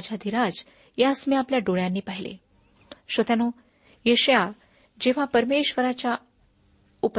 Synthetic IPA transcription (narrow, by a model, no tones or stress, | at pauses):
d͡ʑad̪ʱiɾad͡z | jasmiapljaɖoɭjanːiːpaɦilḛ | ɕət̪jano | jeɕja | d͡ʑeʋ̤apəɾmeɕʋəɾat͡ɕja | up